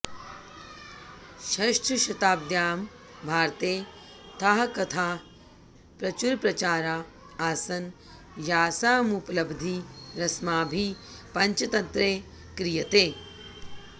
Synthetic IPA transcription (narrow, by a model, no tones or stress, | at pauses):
ʃɐʂʈʰɐʃɐt̪aːb̚d̪jaːm | bʱaːɾt̪eː | t̪ʰɐɦɐkɐt̪ʰaː | pɾɐt͡ʃuɾpɾɐt͡ʃaːɾaː | aːsɐn | jaːsaːmuplɐbd̪ʱiɾɐsmaːbʱi | pɐɲt͡ʃɐt̪ɐnt̪ɾeː | kɾijɐt̪eː